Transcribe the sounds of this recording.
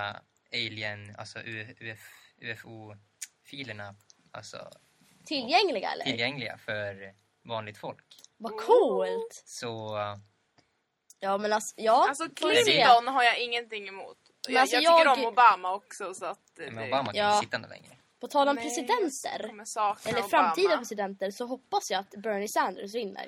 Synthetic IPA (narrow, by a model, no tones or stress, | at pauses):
ɛjlɪɛna̰lsɔʔʉːɛʉːɛfʉɛfuː | fiːləɳaʔa̰lsɔ̰ | t̪ʰɪlːjɛŋlɪɡa̰ɛ̰lːəɪlɾjɛŋlɪɡa̰fœɾ | vɑːnlɪɡ̚t̪fɔlk | vakʰuːlt̪sɔ | jɑːmɛnalsɔ̥jɑːsɔɛɔnɦaɾjaɪŋːənt̪ɪŋːɛmṵːt̪ | mmɛnalsɔjɑːɡəɔʊbɑːmaɔksɔsɔat̪̚mɛʊbaːmajɑːɪt̪ːaɛnd̪ə̰lɛ̰ŋɾə | pʰɔt̪ʰɑːlɔmpʰɾɛsɪd̪ɛnt̪ə̰ɾsɛlːəɾfɾamːt̪ʰiːd̪əpɾɛsɪd̪ɛnt̪əɾsɔɦɔpːasjaːat̪bœɳɪsænd̪əɾsvɪnːə̰ɾ